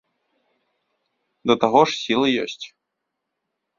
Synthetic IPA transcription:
d̪ɐt̪aɣɔʂsʲilˠɨjɔ̰sʲt͡sʲ

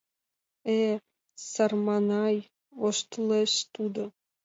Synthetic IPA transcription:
e | sɑrmɑnɑj | oʃt̪uleʃt̪ud̪o

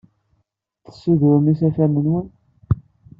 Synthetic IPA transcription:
θə̥sːuðʊɾmisæθæmənwən

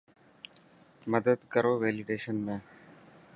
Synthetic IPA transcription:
məd̪əd̪kəɾoːʋeːlɪɖeːʃənmẽː

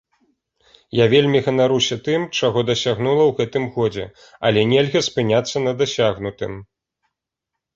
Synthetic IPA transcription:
javʲelʲmʲiɣɐnaɾusʲɐt̪ɨmt͡ʂaɣɔd̪ɐsʲaɣnulˠɐwɣɛt̪ɨmɣɔd͡zʲɛ | ɐ̰lʲɛnʲɛlʲɣʲɐspɨnʲat̪sːɐnɐd̪asʲaɣnut̪ɨm

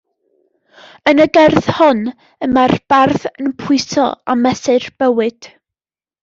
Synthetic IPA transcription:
ənəɡɛrθhɔn | əmarb̥arθənpʰʊɨsɔ̰a̰mɛsɨrb̥əwɨd̥

